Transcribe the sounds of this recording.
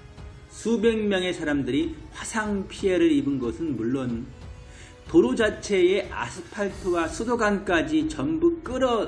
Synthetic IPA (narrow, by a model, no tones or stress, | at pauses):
sʰube̞ŋmjʌŋe̞sʰaɾamdɯɾiɸwasʰaŋpʰie̞ɾɯɾibɯnɡʌsʰɯnmuɭːon | toɾud͡ʑat͡ɕʰe̞eʔa̰sʰɯ̥pʰaɭtʰɯwasʰudoɡank͈ad͡ʑit͡ɕʌmbuk͈ɯɾʌ